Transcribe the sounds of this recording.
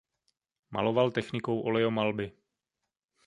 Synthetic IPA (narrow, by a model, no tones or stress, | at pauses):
mʔa̰lo̞valt̪ɛxnɪko̞wʔo̞lɛomalbɪ